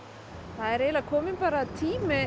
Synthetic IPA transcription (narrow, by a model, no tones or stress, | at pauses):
θaðɛɾeːjlakʰɔːmɪnpaːɾat̪ʰiːmɪ